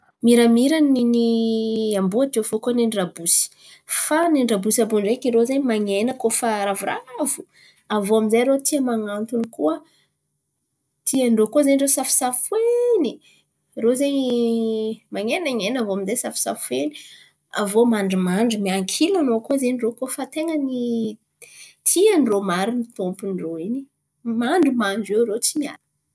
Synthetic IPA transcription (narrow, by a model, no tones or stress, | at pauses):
miɾamiɾaniniambuat̪efokuəneɳɖ͡ʐabusi̥ | faneɳɖ͡ʐabusiabunɖ͡ʐekiɾozaɲmaŋenəkofaɾavuravu | avoamizajɾot̪iamaŋant̪unikuə | t̪ʰiaɳɖ͡ʐokuzanirosafi̥safweni | ɾozej | maŋenaŋenavoamizejsafi̥sa̰ffweni̥ | avomaɳɖ͡ʐumaɳɖ͡ʐumiaŋkʰilanokuzenirokofat̪eŋəni | t̪ʰianromaɾinit̪ompunroini̥ | maɳɖ͡ʐumaɳɖ͡ʐeɾot͡simia̰n